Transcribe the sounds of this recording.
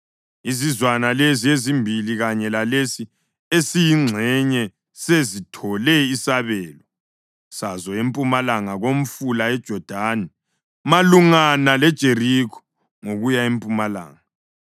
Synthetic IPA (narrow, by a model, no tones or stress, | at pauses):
izizwanaleziezimbʱiliɣaɲɛlalesi | esijiŋ͡ǀʱɛɲɛ | sezitʰɔlɛisaβɛːlɔ | sazɔempʼumalaŋaɣom̩fulaɛd̥ʒ̥ʱɔd̥ʱaːnɛ | maluŋanalɛd̥ʒ̥ʱerikʰɔ̥ | ŋoɣujaempʼumala̰ːŋaa